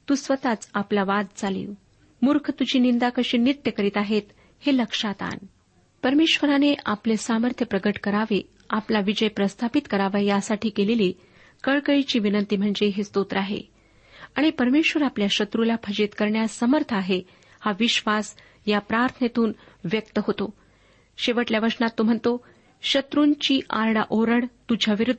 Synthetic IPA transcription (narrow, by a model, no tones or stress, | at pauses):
t̪uːsʋət̪at͡saplaʋad̪̚t͡salḭːʋ | muɾkʰt̪ud͡ʑiːnind̪akəɕiːnit̪jəkəɾiːt̪aɦet̪ | heləkʂat̪a̰n | pəɾmeɕʋəɾaneʔaplesaməɾt̪ʰjəpɾəɡəʈkəɾaʋe | aplaʋid͡ʑəjpɾəst̪ʰapit̪kəɾaʋajjasaʈiːkeleli | kəɭkəɭit͡ɕiːʋinənt̪iːm̤əɳd͡zeɦest̪ot̪ɾəaɦḛ | aɽ̃ipəɾmeɕʋəɾapljaɕət̪ɾulapʰəd͡ʑet̪kəɾɳjasəməɾt̪ʰaɦe | haʋiɕʋas | japɾaɾt̪ʰənet̪uːnʋjək̚t̪əɦot̪o | ɕeʋəʈljaʋəɾʂnat̪ːom̤əɳt̪o | ɕət̪ɾuːɲt͡ɕiːʔaɾɽaʔoɾəɽt̪ud͡ʑʱaʋiɾud̪ʱː